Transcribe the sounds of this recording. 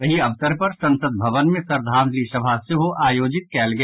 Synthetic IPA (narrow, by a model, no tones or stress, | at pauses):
ɐɦiɐʋt̪əɾpɐɾsɐ̃nsəd̪̚bʱɐʋənmẽsɐɾd̪ʱaːnlisɐbʱaseɦoʔaːjoːd͡ʒɪt̪̚kɛːlɡɐ